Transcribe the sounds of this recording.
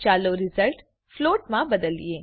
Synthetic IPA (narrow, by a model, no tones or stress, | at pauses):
t͡ʃaːloɾɪzəlʈ | floːʈmãbɐd̪əlḭeː